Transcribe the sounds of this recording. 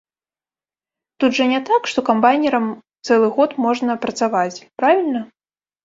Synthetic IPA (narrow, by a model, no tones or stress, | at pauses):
t̪ud̪ʐɐnʲɛt̪akʂt̪ɔkambajnʲɛɾɐmt̪sɛlˠɨɣɔt̪mɔʐnɐpɾɐt̪savat͡sʲpɾavʲilʲnɐ